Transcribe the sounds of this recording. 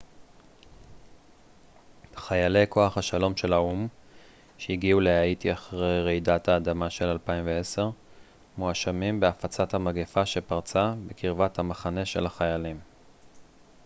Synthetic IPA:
χajale̞jkʰo̞aχhaʃalo̞mʃe̞laum | ʃeiɡiule̞aitiaχʁejʁejdathaːdamaʃe̞lalpaimveese̞ʁ | moaʃamimbeafat͡sathamaɡefaʃe̞paʁt͡sabekiʁvathamaχane̞ʃe̞̰laχajalim

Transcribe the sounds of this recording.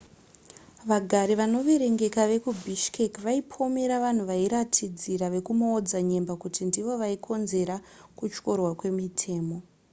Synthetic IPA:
ʋaɡʱaɾiʋano̞ʋeɾe̞ŋɡe̞kaʋe̞kubʱiʃkekʋaipʰo̞me̞ɾaʋan̤uʋaiɾatʰid͡ziɾaʋe̞kumoːd͡zaɲe̞mbakutʰindiʋo̞ʋaikʰo̞nze̞ɾakut͡ʃko̞rwakwe̞mitʰe̞ːmo̞

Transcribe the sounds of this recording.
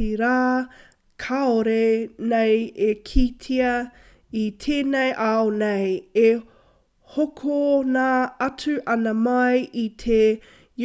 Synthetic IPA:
iɾaː | kʰaoɾenejekʰitʰiɐ | it̪ʰeːnejʔaoneje | hokʰonaːɐt͡sʉʔɐnɐmɐjʔit̪ʰe | j

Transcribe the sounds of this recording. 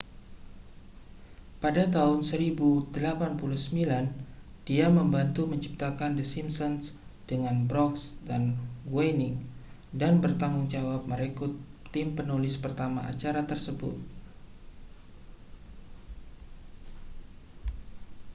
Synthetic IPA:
padat̪aɦʊnsəɾibudəlapanpuluhsəmbilan | d̥iaməmbant̪uməɲt͡ʃip̚t̪akandəsimsɔnsd̥əŋanbɾɔksdanɡwanɪŋ | danbərt̪aŋuŋd͡ʒawap̚məɾɛkut̪ːɪmpənulɪspərt̪amaʔa̰t͡ʃaɾat̪ərsəbʊ̰t̪̚

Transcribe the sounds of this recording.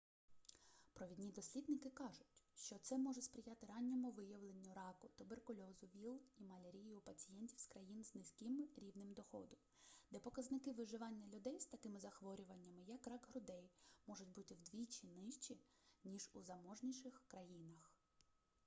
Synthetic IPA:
pɾɔʋʲid̪ʲnʲid̪ɔsʲlʲid̪̚nɪkɪkɑʒʊtʲʃt͡ʃɔt̪sɛmɔʒʊspɾʲɪjɑt̪ɪɾɑnʲːɔmʊʋɪjɐʋlˠenʲːʊɾɑkʊt̪ʊberkʊlʲɔzʊʋʲilˠimɐlʲeɾʲijʊpɐt͡sʲijɛnʲtʲiwskɾɐjinznɪsʲkʲɪmɾʲiwnɪmd̪ɔxɔ̰d̪ʊmd̪ɛpɔkɐznɪkɪʋɪʒɪʋɑnʲːɐlʲʊd̪ɛjst̪ɐkɪmɪzɐxʋɔɾʲʊʋɐnʲːɐmɪjɐkrɑɡɦɾʊd̪ɛjmɔʒʊtʲbut̪ɪwd̪ʋʲit͡ʃinɪʃt͡ʃʲinʲiʒuzɐmɔʒnʲiʃɪxkɾɐjinɐx

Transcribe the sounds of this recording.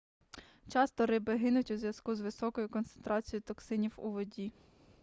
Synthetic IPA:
t͡ʃɑst̪ɔɾɪbɪɦɪnʊtʲuzʲʋjɐskuzʋɪsɔkɔjʊkɔnt̪sent̪ɾʔɑt͡sʲijʊt̪ɔksɪnʲiwṵʋɔdʲi

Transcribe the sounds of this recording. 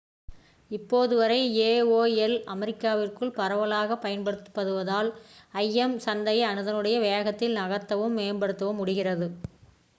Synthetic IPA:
ɪpːoːðɯʋɐɾɐɪeːoːɛlɐmɛɾɪkːaːʋɪrkɯɭpɐɾɐʋɐlaːɣɐpːɐjɐnpɐɽɯt̪ːɯ̥pːɐðɯʋɐðaːlɐjːɛmsɐnd̪ɐjɐnɯðɐnɯɽɐjɐʋeːɣɐt̪ːɪlnɐɣɐt̪ːɐʋɯmːeːnbɐɽɯt̪ːɐʋɐmːʊɽɪɣɪrɐðɯ

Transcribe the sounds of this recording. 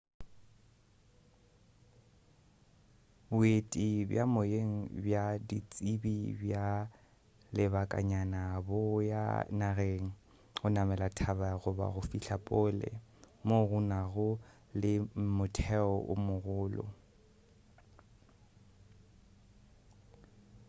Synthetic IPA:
bʊetʼibjamoeŋ̩bjadit͡sʼibibja | lɪβakʼa̰ɲanabʊja̰naɣeŋ̩ | ɣʊnamɛlatʰaβaɣʊba̰ɣʊfiɬapʼɔlɛ̰ | moɣʊnaɣʊ | lɪmʊtʰɛɔʔʊmʊɣʊːlɔ̰

